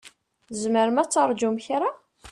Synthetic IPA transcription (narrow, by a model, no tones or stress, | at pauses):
zməɾmæt͡sːəɾˤd͡ʒumçɾa